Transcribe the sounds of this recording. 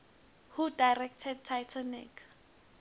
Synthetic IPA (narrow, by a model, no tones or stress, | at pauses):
hudajrɛk̚tʰɛd̚tʰajtʰɔnɪ̰kʰ